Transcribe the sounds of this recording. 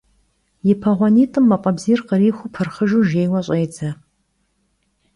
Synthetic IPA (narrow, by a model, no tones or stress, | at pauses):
jɪpʰɐʁʷɔniːtʰʼɨmːɐqʼɐbziːrqəriːxʷʊpʰɨrχəʒuʒeːjwɐɕʼejd͡zʰɐ